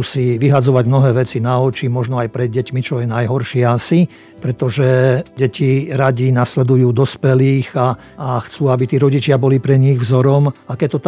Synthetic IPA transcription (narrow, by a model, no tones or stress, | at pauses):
siʋiɦad͡zɔʋaɟmnɔɦɛːʋɛt͡sinaɔt͡ʃimɔʒnɔajpɾɛd̪ɟɛcmit͡ʃɔjɛnajɦɔɾʃɪasi | pɾɛt̪ɔʒɛɟɛcʰiɾaɟinaslɛd̪ujuːd̪ɔspɛliːɣaː | xt͡suːabit̪iːɾɔɟit͡ʃɪabɔlipɾɛɲiɣvzɔɾɔmakɛc̚t̪ɔt̪